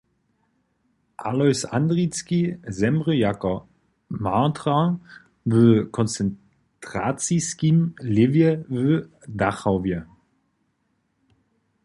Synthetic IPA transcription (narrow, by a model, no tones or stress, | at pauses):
ʔalɔʏsandʁit͡skizɛmʁəjakɐ | maːtʁa | vøkʰɔnt͡sɛn | tʁ̥at͡siskimlɪvjəvø | daχavjə